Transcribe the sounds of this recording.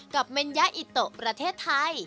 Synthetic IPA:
ka˨˩p̚me˧nja˦˥ʔi˨˩t̪ːo˨˩ʔpɾa˧t̪ʰeː˥˩t̪ʰːa˧j

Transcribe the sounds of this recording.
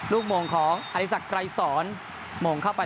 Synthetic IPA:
luː˥˩k̚moː˧ŋkʰɔː˩˦ŋʔa˧ti˦˧˥sa˨˩kɾa˧jsɔː˩˦n | moː˧ŋkʰa˥˩wpa˧

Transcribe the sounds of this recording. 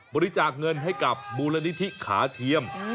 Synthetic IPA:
bɔː˧ɾi˧t͡ɕaː˨˩k̚ŋɤ˧nɦa˥˩jka˨˩p̚buː˧la˧ni˦˥t̪ʰi˦˥kʰaː˩˦t̪ʰi˧əm

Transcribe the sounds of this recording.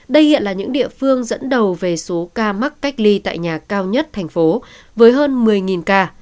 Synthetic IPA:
ɗə˧jhḭ˧˨ənlaː˨˩ɲɨ̰˧˥ŋɗḭ˧˨əfɨ˧əŋzə̰˧˥nɗə˨˩wve˨˩so˨˦kaː˧ma˦˥k̚ka˦˥jk̟̚li˧t̪a̰ː˧˨jɲaː˨˩kaː˧wɲə˦˥t̚t̪ʰɛ˨˩jŋ̟fo˨˦ | vəː˨˦jɦəː˧nmɨ˨˩əjŋi˨˩nkaː˧

